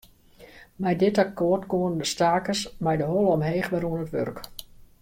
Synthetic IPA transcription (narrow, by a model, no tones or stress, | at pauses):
mɛjdɪtakoərtkoənədəstaːkəsmɛjdəɦɔlˠəɔmɦeːχʋɛɾuənətʋø̰rk